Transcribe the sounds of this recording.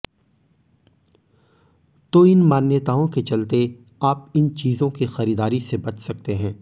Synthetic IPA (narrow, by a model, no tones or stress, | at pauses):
t̪oɪnmaːnjət̪aːõket͡ʃɐlt̪e | aːp̚ɪnt͡ʃiːzõkixɐɾiːd̪aːɾisebɐt͡ʃʰsɐk̚t̪eɦɛ̃ː